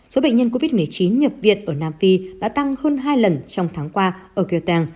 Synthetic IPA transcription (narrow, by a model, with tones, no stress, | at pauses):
so˨˦ɓə̰˧˨ŋ̟ɲə˧nko˧vi˦˥t̚mɨ˨˩əjt͡ɕi˨˦nɲə˨˩p̚vḭ˧˨ənʔəː˧˩naː˧mfi˧ɗa̰ː˧˥t̪a˧ŋhəː˧nɦaː˧jlə˨˩nt͡ɕɔ˧wŋ͡mt̪ʰaː˨˦ŋkwaː˧ʔəː˧˩ki˧t̪ɛː˧ŋ